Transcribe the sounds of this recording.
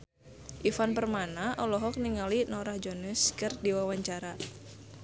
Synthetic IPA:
ʔifanpərmanaʔɔlɔɦɔk̚niŋalinɔɾahd͡ʒonəskɨrdiwawaɲt͡ʃaɾa

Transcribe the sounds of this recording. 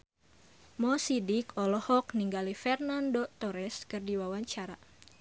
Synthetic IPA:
mɔsidikʰɔlɔhɔk̚niŋɡalifɛrnandot̪ɔɾɛskɨrdiwawaɲt͡ʃaɾa

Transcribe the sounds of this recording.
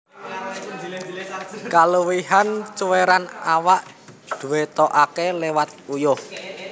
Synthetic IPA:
kaluwihant͡ʃuweɾanawaʔdd̪̥uwet̪ɔʔakelewat̪̚ujʊh

